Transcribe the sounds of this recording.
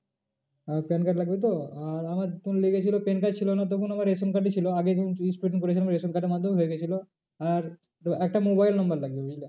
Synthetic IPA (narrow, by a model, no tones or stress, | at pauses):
apenkaʈlaɡbet̪̬oaɾamaɾt̪unleɡet͡ɕʰilopenkat͡ɕʰilonat̪̬ɔkʰunamaɾesonkaʈet͡ɕʰiloaɡeunisʈɾeʈiŋkoɾet͡ɕʰilamɾesonkaʈemad̪ʱoɦojeɡet͡ɕʰilo | aɾ | ɛk̚ʈamobajlnɔmbaɾlaɡbeɦoile